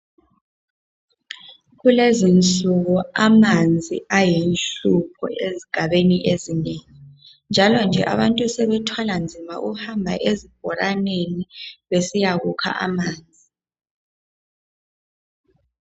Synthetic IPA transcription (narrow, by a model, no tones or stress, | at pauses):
ɣulezint͡sʼuɣɔamand͡zʱḭajinɬupʰɔ̰ʔeziɡ̥ʱaɓeniʔezineːŋi | nd͡ʒʱalɔnd͡ʒʱɛ̰ʔa̰βantʼusɛβɛtʰwaland͡zʱima̰ʔuhambʱa̰ʔezib̥̚ʱɔɾaneniβesijaɣukʰa̰ʔa̰maːnd͡zʱi